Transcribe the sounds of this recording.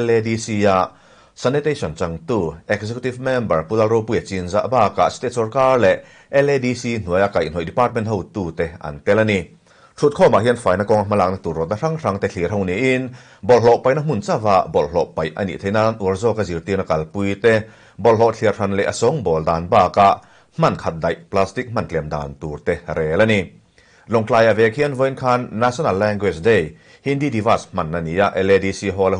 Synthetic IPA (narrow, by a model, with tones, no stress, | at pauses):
lɛ˧di˧si˧a˧˨ʔ | sa˧nɛ˧t̪e˧sɔ˨nt͡sa˧ŋt̪u˧ʔɛ˧k̚sɛkju˧t̪i˧vmɛ˧mbə˨rpu˧la˧lɾo˧wpu˧jɐ˨t͡si˧nza̰˧ʔbaː˧˩ka̰˨ʔsi̥˧t̪ɛ˧ʔsɔ˧rkaː˧rlɛ˨ʔ | ʔɛ˧lɛ˧di˧si˧n̥u˨əja˧ka˨jʔnhɦɔ˨jdi˧paː˧rt̪̚mɛ˧˦ntɦɔ˧wt̪uː˧˨t̪ɛ˧ʔɐ̰˨nt̪ɛ˧la˧ni˧ | tʰu˧˨t̪̚kʰɔː˧ma̰˨ʔɦi˧˥ənfaː˨jna˧kɔ˧ŋa˧ma˧la˧k̚na˧t̪u˨rɾɔ˨t̪̚na˧r̥a˧ŋr̥a˧˨ŋt̪ɛ˧ɬʰi˨rɦɔ˧wni˧˨ʔi˧n | bɔ˨lɦɔ˧˨ʔpɐ˨jna˧m̥u˨nt͡sa˥˧va˧˨ʔbɔ˨lɦɔ˨ʔpɐ˨jʔɐ̰˧nḭ˨t̪ʰe˧˨jna˧nʔu˨˩ə˦rzɔː˧˨ka˧zi˨rt̪i˧na˧kɐ˨lpu˧jt̪ɛ˧ | bɔ˨lɦɔ˧˨ʔt͡ɬʰi˧ərra˧nlɛ˨ʔɐ̰˨sɔ˨˦ŋbɔ˨ldaː˨nbaː˧˩ka˧ʔ | m̥ɐ˧˨nkʰa˧t̪̚dɐ˨jʔpla˧st̪i˧k̚m̥ɐ˧˨nt͡ɬɛ˨mda̰ː˨nt̪u˨˩rt̪ɛ˧ɾɛː˨la˦˧ni˧ | lɔ˨ŋt͡ɬlaː˧ja˨vɛ˨kʰi˧˥ənvɔ˧ji˧nkʰa˧nːa˧sɔ˦na˧lːɛ˧ŋɡwɛ˧˩sde˧˨j | hi˧˥ndiː˧˨di˧va˧˩sm̥ɐ˧˨nːa˧ni˨˦a˧ʔɛ˧lɛ˧di˧si˧ɦɔ˧lɛ˧